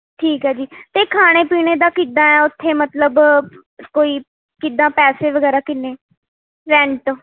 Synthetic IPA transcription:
ʈʰiːkɦɛːd͡ʒiːt̪eːkʰaːɽ̃eːpiːñeːd̪aːkid̪ãːɛːʊt̪ʰːeːmət̪ləb | koːiː | kɪd̪ãːpɛːseːʋəɡɛːɾaːkɪnːeː | ɾɛ̃ːɳʈ

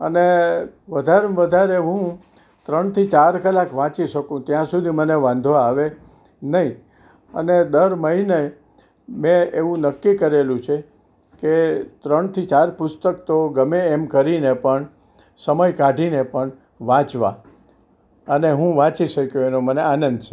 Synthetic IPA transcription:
əneʋəd̪ʱaɾʋəd̪ʱaɾeɦũ | t̪ɾəɳt̪ʰit͡ʃaɾkəlakʋãt͡ʃiʃəkũt̪jãsud̪ʱiməneʋãnd̪ʱʋaːʋe | nəɦĩ | ə̰ned̪əɾməɦine | mẽeʋũnəkːikəɾelũt͡ʃʰe | ket̪ɾəɳt̪ʰit͡ʃaɾpʊst̪əkt̪oɡəmeːmkəɾinepəɳ | səməjkaɖʱinepəɳ | ʋãt͡ʃʋa̰ | əneɦũʋãt͡ʃiʃəkjũenoməneanənd̪t͡ʃʰe

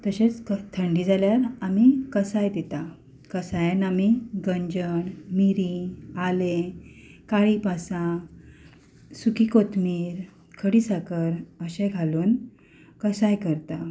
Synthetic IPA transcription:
t̪əɕet͡skt̪ʰəɳɖiːd͡zaljaɾamikəsajd̪et̪a | kəsajanamiɡəɲd͡ʑəɳmiɾialekaɭipasã | sukikot̪miːɾ | kʰəɽisakəɾəɕẽɡʱaluːn | kəsajkəɾt̪a

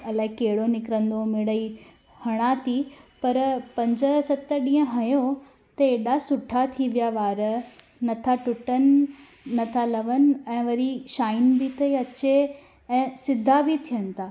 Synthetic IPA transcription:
ɐlaːɪkeɦɪɽonɪkɾə̃nd̪omɪɽəi | hɐɽ̃at̪ʰipɐɾpɐ̃ɲd͡ʑə̆sɐt̪əɗĩːə̃ɦɐjo | t̪ɐeːɗasʊʈʰat̪ʰiʋijaʋaːɾə | nɐt̪ʰaʈʊʈənɪ̆ː | ɐt̪ʰalɐʋənɪ̆ɛ̃ːʋɐɾiʃaːɪnbɪt̪ʰɐiɐt͡ɕe | ɛ̃ːsɪd̪ʱabʱit̪ʰijənɪ̆t̪ʰaː

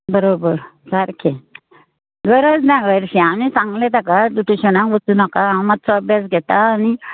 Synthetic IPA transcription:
bəɾobəɾsaɾkʰe | ɡəɾəd͡znãɡəɾɕianit͡sãŋɡlẽt̪akad̪uʈeɕənãŋʋət͡sunakaãmat̪t͡sɔːbjas̬ɡʱɛt̪aːni

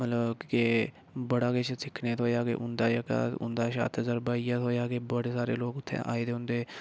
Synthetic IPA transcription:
mət̪ləbke | bəɽaːkeːt͡ʃsɪkʰneːt̪oːjaːkḛːʔʊnd̪aːjəka̰ːt̪ʊ̰nd̪aːʃa̰ːt̪ʰəzəɾbaːijaːt̪ɦoːjaːɡeːbəɽeːsaːɾḛːloːkʊt̪ʰːḛ̃ːʔa̰ːeːd̪eːʊ̃nd̪eː

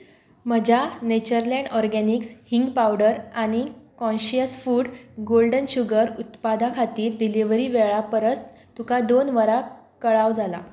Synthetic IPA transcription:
m̤əd͡ʑʱanet͡ɕəɾlɛ̃ɳɖɔɾɡɛnikshiŋɡpawɽəɾaɽ̃ikɔ̃nɕijəsfuːɽɡolɖənɕuɡəɾut̪pad̪akʰat̪iːɾːiliʋɾiʋeɭapəɾət͡st̪ | t̪ukad̪onʋəɾa | kəɭaʋd͡zala̰

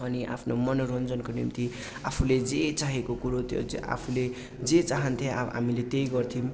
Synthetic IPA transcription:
ʌniʔa̰pʰnomʌnoɾʌnd͡zʌnkonḭmt̪i | apʰuled͡zet͡saɦekokuɾot̪jo̰a̰pʰule | d͡zet͡saɦʌnt̪ʰẽɦa̰milet̪ejɡʌrt̪ʰim

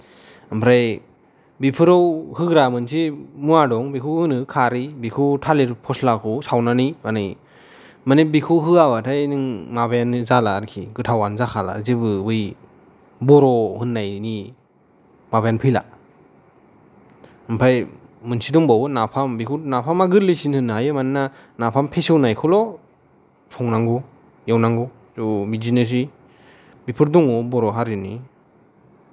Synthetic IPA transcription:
ɯmpʰɾaj | bipʰɯɾɔwhɯɡɾamɯnsimuadɔŋbikʰuhɯnɯkʰaɾibikʰutʰaliɾpʰɔslakʰusawnanimanɯj | manibikʰuɦɯabatʰajnɯŋmaβajanzalaɾkʰḭɡɯtʰawanzakʰala̰zibɯbɯj | bɔɾɔhɯnːajni | mabajanpʰɯjla̰ | ɯmpʰajmɯnsidɔŋbawbɯnapʰambikʰunapʰamaɡɯɾlesinhɯnːɦajɯmanna | napʰampʰesɯwnajkʰɔlɔ | pʰɔŋnaŋɡɔ | jawnaŋɡɔ | zubizines̬i | bipʰɯɾdɔŋɔbɔɾɔɦaɾɯni

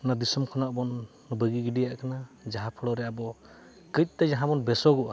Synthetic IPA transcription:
nad̪isɔmkʰɔnaʔbɔnː | ɔbəɡiɡiɖijaʔkʰanad͡ʒaɦapʰɔɽɔɾɛabɔ | kət̪̚ˀt̪ad͡ʒaɦabɔnbɛsɔɡɔʔa

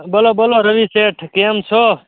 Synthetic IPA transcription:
bɐlobɐloɾəʋiseːʈʰkemt͡sʰo

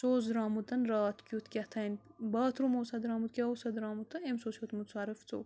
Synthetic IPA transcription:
soːzɾaːmut̪ɐnɾaːt̪kʲjut̪kʲɐt̪ʰɐnbaːt̪ʰɾumoːsɐd̪ɾaːmut̪kʲɐosɐd̪ɾaːmut̪ɐemsoːsjot̪mut̪sʰaːɾɨft͡so̰ː

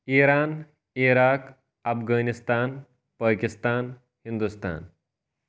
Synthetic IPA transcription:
iɾaːn | iɾaːk | ɐfɡaːnist̪aːn | paːkist̪aːn | hind̪ust̪a̰ːn

